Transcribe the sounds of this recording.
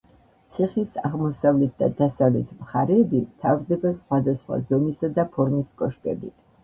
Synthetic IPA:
t̪sʰiχisaʁmɔsavlɛt̪̚ʰd̪a̰d̪asavlɛt̪ʰmχaɾɛːbit̪ʰavɾd̪ɛbasχwad̪asχwa̰zɔmisad̪apʰɔɾmiskʼɔʃkʼɛbit̪ʰ

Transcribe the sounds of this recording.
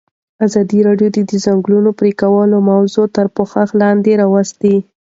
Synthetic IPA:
azɑd̪iɾɑɖjod̪əd̪əzaŋɡlunopɾekawəlomawzot̪əɾpoxaxlɑnd̪eɾɑwast̪i

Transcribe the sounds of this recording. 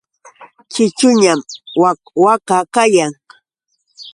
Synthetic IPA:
kɪt͡ʃʊɲamwa | wakakajaŋ

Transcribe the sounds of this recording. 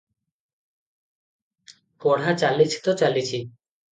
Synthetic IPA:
pɔɽ̤at͡ʃalit͡ʃʰt̪ɔt͡ʃalit͡ʃʰi

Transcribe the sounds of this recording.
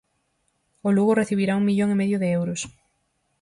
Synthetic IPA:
ʊluɣoreθiβiɾauŋmiʎoŋɪmeðjʊðɪewɾʊs

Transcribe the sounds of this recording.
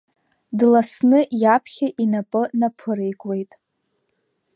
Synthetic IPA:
dlasnɨjapʰχʲaʔinapʼɨnapʰɨɾejkʷʼwe̞jtʼ

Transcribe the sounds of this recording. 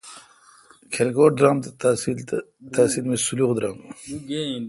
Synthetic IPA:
kʰelkoːʈ̚d̪ɾaːmasil | t̪asiːlmesuluqd̪ɾaːm

